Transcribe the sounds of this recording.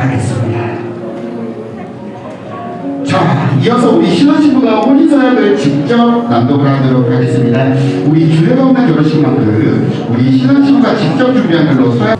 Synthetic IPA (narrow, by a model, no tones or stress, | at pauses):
aɡes͈ɯmɲida | t͡ɕaiʌsʰʌuɾiɕʰinaɕʰinboɡapʰoɾisʰajʌnɯɭt͡ɕik̚t͡ɕ͈ʌp̚nandoɡʰɯɾaidɯɾok̚ʰaɡe̞s͈ɯmɲidauɾit͡ɕuɾeɡʌumekjʌɾʌɕʰinɡʌt͈ɯ | uɾiɕʰinaɕʰiboɡat͡ɕik̚t͡ɕ͈ʌp̚t͡ɕuŋbiɦankɯɭːosʰoa